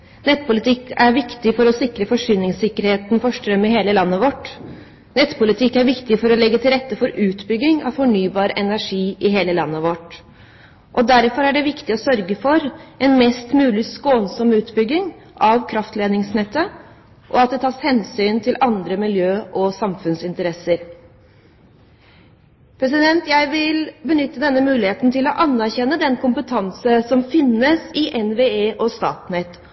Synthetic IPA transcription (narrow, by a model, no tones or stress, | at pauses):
nɛt̪ːpʊlɪt̪ʰɪkːæɾʋɪkt̪ɪfɔɾɔsɪkɾəfɔʂyːnɪŋsɪkːəɾheːt̪nfɔʂʈɾœmːɪɦeːləlɑnːəʋɔʈ | nɛt̪ːpʰʊlɪt̪ʰɪkːæɾʋɪkt̪ɪfɔɾɔlɛɡːət̪ʰɪlɾɛt̪ːəfɔɾʉːt̪bʏɡːɪŋɑ̰ʋfɔɳyːbɑːɾʔɛnæʂiːʔɪɦeːləlɑ̰nːəʋɔʈ | ʔɔd̪æɾfɔɾæɖɛʋɪkt̪ɪɔsœɾɡəfɔɾɛnmɛst̪mʉːlɪskoːnsɔmʉːt̪bʏɡːɪŋ | ʔɑʋkʰɾɑft̪leːd̪nɪŋsnɛt̪ːə | ʔɔɑt̪̚d̪ɛt̪ʰɑːshɛnsyːnt̪ʰɪlʔɑnd̪ɾəmɪljøːʔɔsɑmfʉnsɪnt̪əɾɛsəɾ | pʰɾɛs̬ɪd̪ɛnt̪jæɪʋɪlbənʏt̪ːəd̪ɛnːəmʉːlɪheːt̪n̩t̪ʰɪlɔʔɑnːæɾçɛnːəd̪ɛnkʊmpət̪ʰɑnsəsɔmfɪnːəsɪʔɛnʋeːeːʔɔst̪ɑ̰ːt̪nɛt̪ː